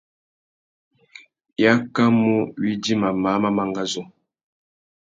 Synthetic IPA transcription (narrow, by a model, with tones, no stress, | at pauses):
ja˦ka˦mu˦ɥi˦di˦ma˨ma˨˦ma˦ma˨ŋɡa˦zo˦